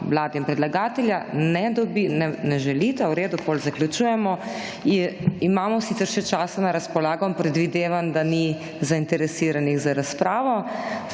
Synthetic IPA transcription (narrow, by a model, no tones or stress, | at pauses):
ʋlaːd̪ɛinpɾɛd̪laɡaːt̪ɛljanɛd̪ɔbinɛnɛʒɛlit̪awɾeːd̪upolzaklʲjut͡ʃuːjɛmɔ | iimaːmɔsit̪ɛɾʃɛt͡ʃaːsanaɾaspɔlaːɡɔmpɾɛd̪ʋid̪eːʋand̪ani | zaint̪ɛɾɛsiːɾaniɣzaɾaspɾaːʋɔ